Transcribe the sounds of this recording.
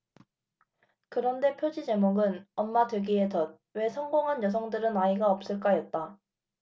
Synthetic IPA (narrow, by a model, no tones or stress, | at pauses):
kɯɾʌnde̞pʰjod͡ʑid͡ʑe̞moɡɯnʌmːadweɡie̞tʌd̚we̞sʰʌŋɡoŋɦanjʌs̬ʰʌŋdɯɾɯnaiɡaʌp̚s͈ɯɭk͈ajʌt̚t͈a